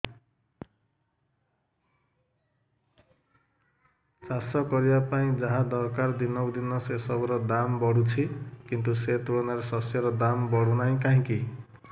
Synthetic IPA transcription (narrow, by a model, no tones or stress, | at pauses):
sasʌkɔɾibapaĩd͡zaɦãd̪ɔɾkard̪inʌwd̪inʌsesɔbɔɾɔd̪ambɔɽut͡sʰikint̪uset̪uɽɔnaɾesʌsjɔɾɔd̪ambɔɽunaĩkaɦĩki